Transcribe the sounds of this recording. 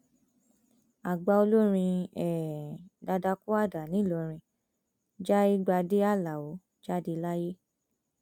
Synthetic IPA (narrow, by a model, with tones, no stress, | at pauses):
a˨ɡ͡ba˧o˧lo˦ɾ̃ĩ˧ɛ˨da˧da˧ku˦a˦˨da˨nĩ˨˦˨lo˧ɾ̃ĩ˧ | d͡ʒa˦i˦ɡ͡ba˧de˦a˦˨la˨o˨˦ | d͡ʒa˦˨de˧la˦je˦